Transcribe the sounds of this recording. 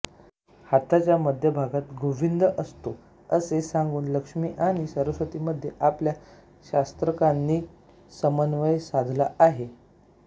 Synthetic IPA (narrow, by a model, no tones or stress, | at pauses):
hat̪at͡ɕjaməd̪ʱjəbʱaɡat̪ɡoʋind̪əʔəst̪o | əsesãŋɡuːnləkʂmiːʔaɽ̃isəɾəsʋət̪iːməd̪ʱːjeʔaplja | ɕast̪ɾəkanːiː | səmənʋəjsad̪ʱlaaɦe